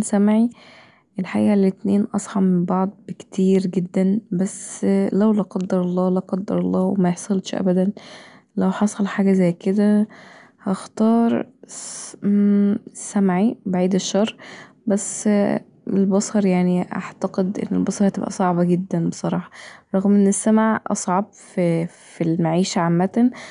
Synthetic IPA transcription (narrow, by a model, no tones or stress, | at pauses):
sæmʕi | ʔelħaʔḭːʔælːet̪neːnʔɑsˤħɑmembɑʕd̪̚ˤbekt̪ʰiːɾɡed̪ːænbæsːlæwlæqɑd̪ːɑɾˤɑlˤːɑːlæqɑd̪ːɑɾˤɑlˤːɑːwḛmæjeħsˤɑlt̪ʃʔæ̰bæd̪æn | læwħɑsˤɑlħaːɡæzæjːked̪æ | hɑxt̪ɑːɾˤ | sːæmʕibaʕiːd̪eʃːɑrˤː | bæs | ḛlbɑsˤɑɾˤjaʕniʔa̰ʕt̪æqed̪ʔḛnːḛlbɑsˤɑɾˤhæt̪ebʔæ̰sˤɑʕbɑɡed̪ːænbesˤɑɾˤɑːħɑ̥ɾˤɑɣmʔenːesːæmʕʔɑ̰sˤʕɑb̚fi | filmaʕiːʃæʕamːæt̪æn